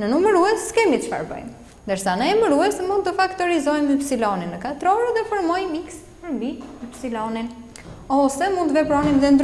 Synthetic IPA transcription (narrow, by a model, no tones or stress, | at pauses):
nənuməɾuɛsːkɛmit̪əʃfa̰ɾbə̰jm | nd̪əɾsanəɛməɾuɛsmund̪t̪əfakt̪ɔɾizɔjmipsilɔninːəkat̪ɾɔɾðɛfəɾmɔjmiks | pəɾmbimipsilɔnin | ɔsɛmunt̪əvɛpɾɔnimðɛnd̪ɾ